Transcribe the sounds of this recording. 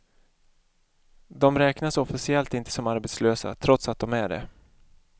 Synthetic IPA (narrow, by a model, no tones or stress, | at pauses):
d̪ɔmɾɛːknasɔfɪsɪɛlt̪ɪnt̪ə̥sɔmaɾbɛt̪sløːsa̰t̪ʰɾɔt̪sat̪̚d̪ɔmæɖɛ̰